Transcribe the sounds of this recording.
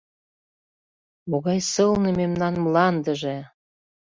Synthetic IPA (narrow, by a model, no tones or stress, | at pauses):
moɣɑjsɤlnɤmemnɑnmlɑnd̪ə̆ʒĕ